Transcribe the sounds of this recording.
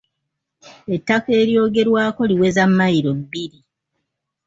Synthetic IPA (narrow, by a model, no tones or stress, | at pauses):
etːake̞ːɾjo̞ːɡe̞ɾwaːko̞liwe̞zamːajiɾoiɾi